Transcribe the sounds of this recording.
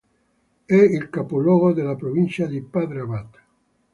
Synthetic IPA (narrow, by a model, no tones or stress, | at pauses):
ɛilkapolɔːɣod̪elapɾovint͡ʃad̪ipad̪ɾaβat̪ḁ